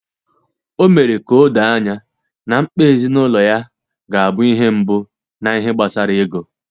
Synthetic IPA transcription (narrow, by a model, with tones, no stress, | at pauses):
o˦me˨ɾe˨ko˦da˨a˦ɲa˦ | na˨ŋ͡m̩˦k͡pe˦e˦˨zi˦nʊ˦lɔ˨ja˦ | ɡa˨a˨bʊ˦i˦ɦe˦m̩˦bʊ˦ | na˨i˦ɦe˦ɡ͡ba˨sa˦ɾɪ˦e˦ɡo˨